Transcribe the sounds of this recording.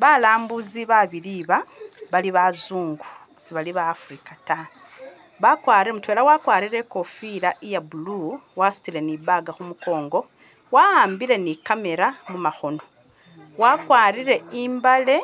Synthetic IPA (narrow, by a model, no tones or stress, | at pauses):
βalaːmbuziβaβiliβa | βaliβazuːŋɡu̥ | siβaliβaːfɾikata | βakwaːɾiɾemutwe̞lawakwaːɾiɾe̞ko̞fiɾaʔijabulu | wasu̥tile̞niβaɡaxumuko̞ːŋɡo̞ | waaːmbiɾe̞nikame̞ɾamumaxo̞no̞ | wakwaːɾiɾe̞iːmbale̞